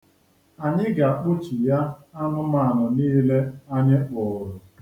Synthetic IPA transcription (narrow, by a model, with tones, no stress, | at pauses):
a˨ɲɪ˦ɡa˨k͡pʊ˦t͡ʃi˨ja˦a˦nʊ˦ma˨nɔ˨niː˦le˦a˦ɲe˦k͡pʊ˨ɾʊ˨